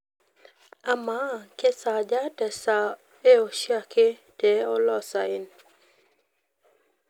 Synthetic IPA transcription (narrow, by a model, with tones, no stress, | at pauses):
a˨ma˨˦ke˦sa˨d͡ʒa˦dɛ˨sa˨ | e˦o˨ʃi˦a˦˨ke˦ | d̥ɛ˨o˦lɔ˦˨sa˨ɪ˦˨n